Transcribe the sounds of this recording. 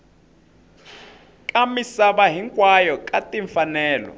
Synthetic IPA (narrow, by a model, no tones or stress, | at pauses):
kʼamisaβaɦiŋkʼwajɔkʼatʼiɱfanɛːlɔ̰